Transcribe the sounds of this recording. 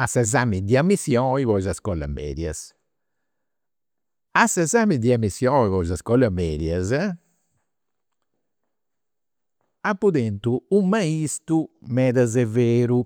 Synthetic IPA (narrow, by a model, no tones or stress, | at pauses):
asɛzamid̪iamːisjɔiβɔjzaskɔla̰mːɛ̰d̪jɐ̰s | asɛzamid̪iamːisjɔivɔzaskɔlamɛd̪jaza | apːud̪ent̪uumaist̪umɛd̪azɛveːɾu